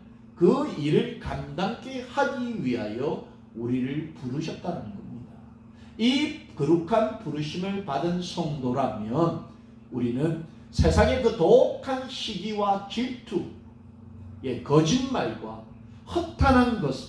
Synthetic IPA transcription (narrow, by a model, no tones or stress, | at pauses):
kɯiɾɯɭkandaŋk͈ʰehaɡiɥiɦajʌ | uɾiɾɯɭpuɾuɕʰʌt̚t͈aɾanɯnɡʌmɲida | ikɯɾukʰanpuɾuɕʰimɯɭpadɯnsʰʌŋdoɾamjʌn | uɾinɯn | sʰe̞sʰaŋe̞kɯtokʰanɕʰiɡiwat͡ɕiɭtʰu | e̞kʌd͡ʑinmaɭɡwa | hʌtʰanɦanɡʌs